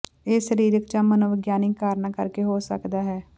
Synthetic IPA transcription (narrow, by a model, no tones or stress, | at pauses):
eːsəɾiːɾəkt͡ʃãːmənoːʋɪɡjaːnikːaːɾnaːkə̰ɾkeːɦoːsə̰kd̪aːɦɛː